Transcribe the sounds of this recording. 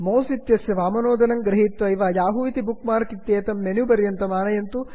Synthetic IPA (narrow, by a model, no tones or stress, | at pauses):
moːsit̪jɐsjɐʋaːmɐnoːd̪ɐnɐŋɡɾɐɦit̪ʋɐiʋaːjaːɦuit̪ibukmaːɾkit̪jeːt̪ɐmːenjubɐɾjɐnt̪ɐmaːnɐjɐnt̪u